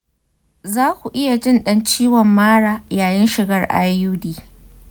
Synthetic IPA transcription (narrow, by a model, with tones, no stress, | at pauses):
zaː˦kʷu˨ʔɪ˦ja˨d͡ʒɪ˦nɗɐ˦nt͡ʃiː˦wɔ˨mːaː˦ɽaː˨jaː˨jɪ˦nʃɪ˨ɡɐ˦rʔa̰ː˦jjuː˦diː˨